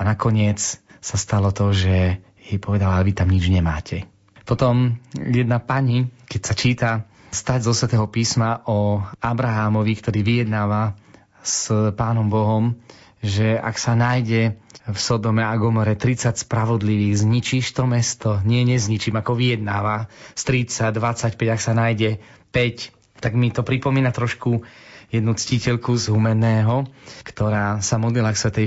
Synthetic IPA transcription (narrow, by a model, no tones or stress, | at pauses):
anakɔɲɪɛt͡ssast̪alɔt̪ɔʒɛ | jɛjpɔʋɛd̪alaɛʋit̪amɲid͡ʒɲɛmaːcʰɛ | pɔt̪ɔmjɛd̪napaɲikɛcsat͡ʃiːt̪a | st̪aɟzɔsʋɛt̪ɛːɦɔpiːsmaʔɔabɾaɦaːmɔʋikt̪ɔɾiːʋijɛd̪naːʋa | spaːnɔmbɔɦɔmʒɛa̰ksanaːjɟɛfsɔd̪ɔmɛaɡɔmɔɾɛt̪ɾit͡sacspɾaʋɔd̪liʋiːɣzɲit͡ʃiʃt̪ɔmɛst̪ɔɲɪɛɲɛzɲit͡ʃiːmakɔʋijɛd̪̚naːʋast̪ɾit͡saɟd̪ʋat͡sːacpɛɟaksanajɟɛ | pɛc | t̪aɡmit̪ɔpɾipɔmiːnat̪ɾɔʃkujɛd̪nut͡scicɛʎkuzɦumɛnɛːɦɔkt̪ɔɾaːsamɔd̪lilaksʋɛt̪ɛ